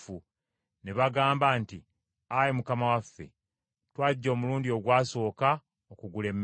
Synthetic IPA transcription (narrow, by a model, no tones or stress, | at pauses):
u | neβaɡaːmbanti | ajemukamawafːe̞̰ | twaːɟːo̞ːmuluːndio̞ɡwaːso̞ːka | okuɡule̞mː